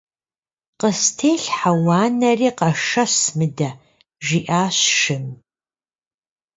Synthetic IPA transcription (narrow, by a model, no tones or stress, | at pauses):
qəstʰeːɬħawaːnɐriːqɐʂɐɕmɨdɐ | ʒiʔaːɕʃɨm